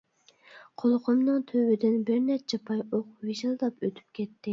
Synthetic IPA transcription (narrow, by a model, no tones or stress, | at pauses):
qʰolˠqʰʊmnɨŋt̪ʰøwɪd̪ɪnbɪɾnɛt͡ʃʰɛpʰɑjoqwiʒilˠd̪ɑpøt̪ʰy̥p̚kʲɛt̪ːɪ